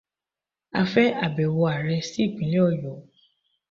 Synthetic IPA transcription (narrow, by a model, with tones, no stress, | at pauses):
a̰˧fɛ˦a˨bɛ˨wɔ˧a˨ɾɛ˧si˦˨ɡ͡bĩ˨˦le˦ɔ˦˨jɔ˨˦